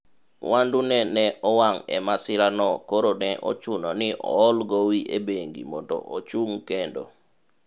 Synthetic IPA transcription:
wʔandunɛnɛʔɔwaŋɛ̰masɪɾanɔkoɾonɛʔo̰t͡ʃunɔnɪʔɔːlɡowiʔebeŋɡḭmɔntɔ̰ʔot͡ʃuŋkendo̰

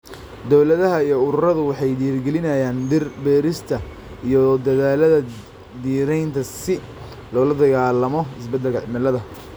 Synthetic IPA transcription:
d̪ɔwlɐðɐɦɐijɔʊɾʊɾɐðʊwɑħɑjd̪iːrɡɛlɪnɐjaːnbɛːɾɪst̪ʰɐ | ijɔd̪ɐðaːlɐðɐ | d̪iːɾɛjnt̪ʰɐsɪ | lɔːlɐd̪ɐɣaːlːɐmɔɪsbɐd̪ɛlkɐʕɪmɐlɐðɐ

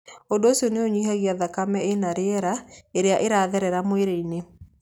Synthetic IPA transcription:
ondoːsiɔneoɲihaɣiaðakamɛenaɾeɛɾaeɾeaʔeɾaːðɛɾɛɾamoeɾeine

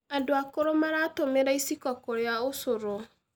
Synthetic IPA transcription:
adoakoɾomaɾatomeɾaisikɔkoɾjaʊsʊɾo

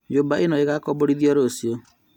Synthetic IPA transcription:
ɲd͡ʒobaenɔeɣakɔboɾiðiɔɾosio

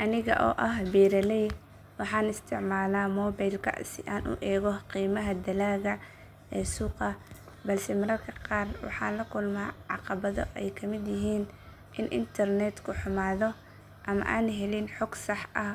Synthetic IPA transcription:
ʔɐnɪɣɐ̰ʔɔ̰ːʔɐɦbiːɾɐlɛj | wɑħɑːnɪst̪ʰɪʕmaːlaːmɔːbajlkʰɐ̰sɪ̰ʔaːnʔʊ̰ʔɛːɣɔqiːmɐɦɐd̪ɐlaːɣɐ | ɛːsuːqɐ | bɐlsɛmɐɾɐrkʰɐqɑːrwɑ̰ħɑːnlɐkʰʊlmaːʕɑqɑβɐðɔ̰ʔɛjkʰɐmɪd̪jɪɦiːn | ʔɪnʔɪ̰nt̪ʰɐrnɛt̪kʰʊħʊmaːðɔ | ʔɐmɐ̰ʔaːnɦɛlɪnħɔɡsɑħʔɐh

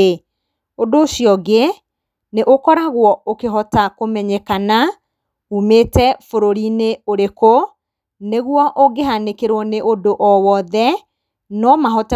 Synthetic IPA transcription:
odoːʃiɔɡe | neʔokɔɾaɣwɔokeɦɔtakomɛɲɛkana | umetɛfoɾoɾineoɾeko | neɣwɔʔoɡeɦanekeɾwɔneʔodoʔɔwɔðɛ | nɔmaɦɔt

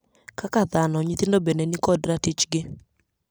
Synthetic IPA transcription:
kakaðanɔɲit̪indobenɛnɪkɔdɾatit͡ʃɡɪ

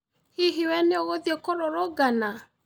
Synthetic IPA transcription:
hiɦiwɛneoɣoðiekoɾoɾoɡana

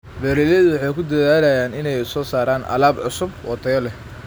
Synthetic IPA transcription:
bɛːɾiðɐðʊwɑħɑjkʰʊd̪ɐðaːlɐjaːnɪnɛjʊsɔːsaːɾaːnʔɐ̰laːbʕʊsʊbwɑt̪ʰɐjɔlɛ

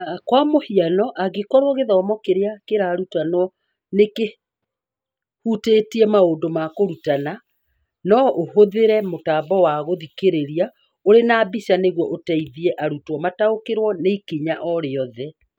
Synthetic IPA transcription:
akwamohianɔʔaɣekɔɾwoɔɣeðɔɔmɔkeɾeakeɾaːɾutanɔ | neke | hutetiɛmaondomakoɾutana | nɔʔohoðeɾɛmotaːbɔwaɣoðikeɾeɾia | oɾenaːbisaneɣwɔʔotɛiðiɛʔaɾutwɔmataokeɾwɔneikiɲaʔɔɾeɔðɛ

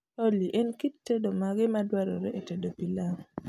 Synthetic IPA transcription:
oliʔɛnkitːedomaɡɪmadwaɾo̰ɾɛetedopilaŋ

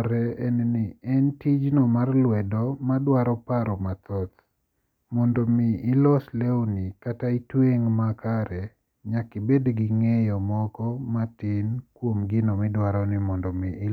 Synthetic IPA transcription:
ɾɛɛnnɪɛntid͡ʒnomarlwɛdɔmadwaɾɔpaɾɔmat̪ɔt̪ | mɔndɔmɪːlɔslɛwnikataitweŋmakaɾɛ | ɲakɪbedɡɪŋejɔmɔkɔmatɪnkwomɡɪnɔmɪdwaɾɔnɪmɔndɔmɪɪ

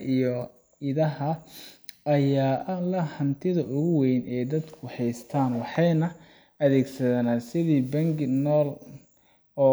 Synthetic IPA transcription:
ijɔ | ɪðɐɦɐ | ʔɐjaːʔɐlɐhɐnt̪ʰɪðɐʔʊɣʊwɛjnɛːjd̪ɐd̪kʰʊħɛjst̪ʰaːnwɑħɑjnɐ | ɐðɛːɡsɐðɐnasɪðiːbɐŋɡnɔːl | ɔː

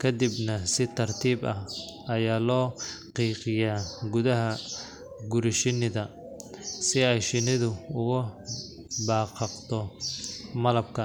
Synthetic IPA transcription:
kʰɐd̪ibnɐsɪt̪ʰɐrt̪ʰiːbɐhɐjaːlɔːqiːqɪjaːɡʊðɐɦɐ | ɡʊɾɪʃɪnɪðɐ | sɪɛjʃɪnɪðʊʊɣʊ | bɑːqɑqt̪ɔ | mɐlɐb̚kʰɐ

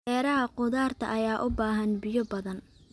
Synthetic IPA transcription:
ɛːɾɐɦɐqʊðaːrt̪ʰɐ̰ʔɐjaːʔʊbaːɦɐnbɪjɔbɐðɐn

